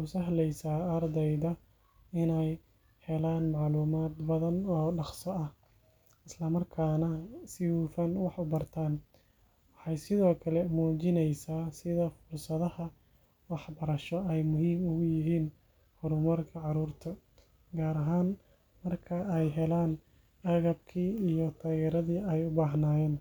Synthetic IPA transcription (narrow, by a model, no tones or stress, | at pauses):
ʊsɐɦlɛjsaːɐrd̪ɛjðɐ | ɪnɛj | hɛlaːnmɑʕluːmaːd̪bɐðɐnɔːɖɑχsɔɐh | ɪslɐmɐrkʰaːnɐsɪhuːfɐnwɑħʊbɐrt̪ʰaːn | wɑħɑjsɪðɔːkʰɐlɛmuːt͡ʃɪnɛjsaːsɪðɐfʊrsɐðɐhɐ | wɑħbɐɾɐʃɔɛjmʊɦiːmʊɣʊjɪɦiːn | hʊɾʊmɐrkʰɐʕɑɾuːrt̪ʰɐ | ɡaːɾɐɦaːn | mɐrkʰɐɛjɦɛlaːn | ɐɣɐb̚kʰiːijɔt̪ʰaːɣɛːɾɐðiːɛjʊbaːɦnaːjɛːn